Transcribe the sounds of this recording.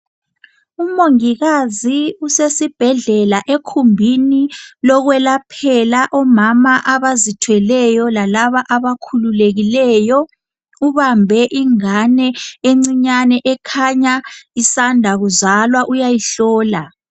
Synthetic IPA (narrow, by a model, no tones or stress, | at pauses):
umoŋiɣaziusesib̥ʱɛɮɛlaʔekʰumbʱinilɔɣwɛlapʰɛlaʔɔmamaʔaβazitʰwɛlɛjɔlalaβaʔaβakʰululeɣilɛjɔ | uβambʱɛʔiŋanɛeŋ͡ǀiɲanɛʔɛkʰaɲaisandʱaɣuzalwaʔujajiɬɔːla